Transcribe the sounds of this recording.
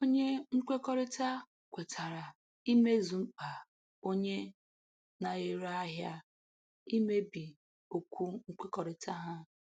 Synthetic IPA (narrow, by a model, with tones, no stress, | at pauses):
o˦ɲe˦ŋ̩˦k͡pʷe˦kɔ˦ɾɪ˦ta˦ | kʷe˨tʰa˨ɾa˨ | i˦me˦zu˨ŋ͡m̩˦k͡pa˨ | o˦ɲe˦ | na˨ɣe˨ɾa˦ɦja˦ | i˦me˦bi˨ | o˨kʷu˦ŋ̩˦k͡pe˦kɔ˨ɾɪ˨tʰa˦ɦa˦